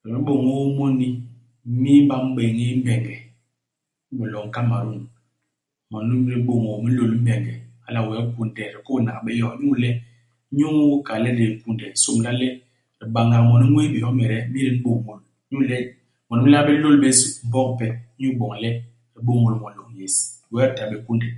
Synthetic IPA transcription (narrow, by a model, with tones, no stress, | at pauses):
ɾɛ˨i˦ɓo˨ŋo˦mɔ˦ni˦ | mi˦ɓa˦m̩˦ɓe˨ŋi˦m̩˦bɛ˨ŋɡɛ˨˦ | bɛ˨lɔ˨ŋ̩˦ka˦ma˨ɾu˦˨ŋ | mɔ˨n˦ɾi˦ɓo˨ŋo˨mi˦lo˨lm̩˦bɛ˨ŋɡɛ˨a̰˦la˨wɛ˨˦ku˨n˨dɛ˨ɾi˨ko˦˨na̰˨ɓɛ˦jɔ˦˨˦ɲu˦˨lɛ˦ | ɲu˦ŋ˦wu˦ka˨lɛ˦ɾi˨ku˦ndɛ˨˦so˦˨m˨la˦lɛ˦ | ɾi˨ɓa˨ŋa˨mɔ˨ni˦ŋʷwe˦be˨ɔ˦mɛ˨ɾɛ˦mi˦ɾi˨˦n̩˦ɓo˨mo˨lɲu˦˨lɛ˦ | mɔ˨n˦mi˦la˦bɛ˦lo˦lɓe˦su˦m̩˦bɔ˦ŋpɛ˨˦ɲu˦ɓɔ˨ŋ˨lɛ˦ | ɾi˨ɓo˦mo˨lmɔ˨lo˨ŋ˦je˨swɛ˦ɾta˨be˨ku˦ndɛ˨